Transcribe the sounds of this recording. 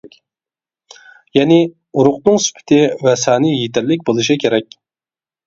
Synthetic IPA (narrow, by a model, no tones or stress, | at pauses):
jɛnɪ | uɾʊqnɨŋsy̥pʰɪ̥t̪ʰɪwɛsæːnɪjet̪ɪɾlɪk̬̚ʲbolˠɨʃ̬ikʲʰeɾɛkʲ